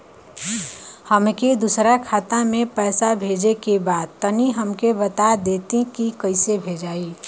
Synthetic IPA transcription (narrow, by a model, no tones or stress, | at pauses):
həmked̪usɾakʰaːt̪amẽpɛːsabʱed͡ʒekebaːd̪̚t̪əniɦəmkebət̪ad̪et̪ĩkikəɪsebʱed͡ʒaːi